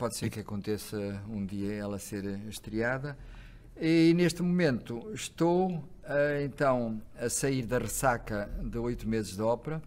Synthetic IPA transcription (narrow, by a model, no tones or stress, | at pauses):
pɔðseɾkɐkõnt̪esɐũd̪iɐɛlˠɐseɾʃt̪ɾiaðɐ | ineʃt̪mumẽnt̪uʃt̪o | ɐẽnt̪ɐ̃w̃ɐsɐiɾðɐʁɨsakɐðɨojt̪umezɨʒðɔpɾɐ